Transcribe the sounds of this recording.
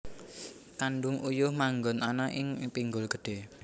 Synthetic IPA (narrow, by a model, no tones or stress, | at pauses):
kaɳɖʊŋujʊhmaŋɡɔnanaʔɪŋpiŋɡʊlɡə̤̥ɖ̥e̤